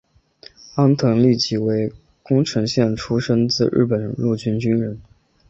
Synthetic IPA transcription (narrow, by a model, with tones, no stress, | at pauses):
a˥nt̪ʰɤ˧˥ŋli˥˩t͡ɕi˧˥we˧˥ɪ | kʊ˥ŋʈ͡ʂʰɤ˧˥ŋɕjɛ˥˩nʈ͡ʂʰu˥ʂə˥nt͡sɹ̩˥˧ɻ̩̰˥˩pə˨˩nɻu˥˩t͡ɕy˥nt͡ɕy˥nɻə˧˥n